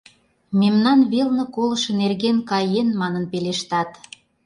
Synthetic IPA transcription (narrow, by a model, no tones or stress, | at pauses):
memnɑnβelnɤ̆kolə̆ʃɤ̆nerɣenkɑjenmɑnənpeleʃt̪ɑt̪